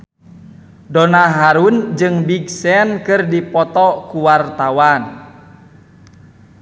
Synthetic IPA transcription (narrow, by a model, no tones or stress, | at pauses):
dɔnaɦaɾund͡ʒɨŋbiɡsɛnkɨrdipɔt̪ɔkuwart̪awan